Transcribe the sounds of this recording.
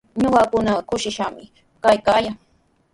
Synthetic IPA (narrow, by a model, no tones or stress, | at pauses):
ɲoɢɑkʊnakʊʃɪʃamɪ | kajkajaŋ